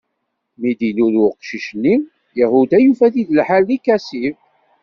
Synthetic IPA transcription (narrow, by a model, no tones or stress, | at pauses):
mid̪ilulʊqʃiʃnːi | jahud̪æjufæθiðəlħalːikːæsiv